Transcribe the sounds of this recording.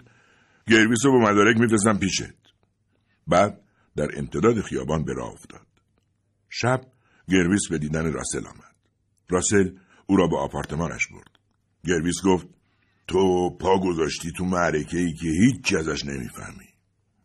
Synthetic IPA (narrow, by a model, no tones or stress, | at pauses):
ɟe̞ɾviːsobemæd̪ɒːɾecmifɾes̬æmpiːʃḛt̪̚ | bæːd̪̚ | d̪æɾḛmt̪ʰe̞d̪ɒːd̪exijɒ̰ːbɒːnbe̞ɾɒ̰ːo̰ft̪ɒ̰ːd̪̥ | ʃæb̥̚ | ɟe̞ɾviːsbe̞d̪iːd̪æneɾɒ̰ːse̞lʔɒ̰ːmæd̪̥ | rɒːsel | uːɾɒːbeɒːpʰɒːɾt̪ʰe̞mɒːnæ̰ʃb̥o̞̰ɾd̪̥ | ɟe̞ɾviːsɡoft̪̚ | t̪ʰopʰɒːɡo̞zɒːʃt̪iːt̪ʰumæɾecʰe̞iːcʰehiːt͡ʃʰːiæzæʃne̞̰mḭːfæ̰hmi